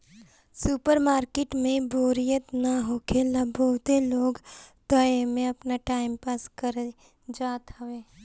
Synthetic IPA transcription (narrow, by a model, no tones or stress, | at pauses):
supəɾmaːɾkeʈmẽboːɾijət̪naɦoːkeləboʊt̪eloːɡd̪əemẽɐpnaʈaːɪmpaːskəɾ | d͡ʒaːt̪ɦəʋeː